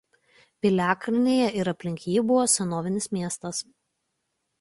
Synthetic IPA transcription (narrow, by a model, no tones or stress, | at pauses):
pʲɪlʲæːkɾʲɪnʲeːjɛʔɪɾɐpʲlʲɪŋʲkʲiːjɛbʊʋoːsʲɛnoːʋʲɪnʲɪsmʲiɛst̪ɐs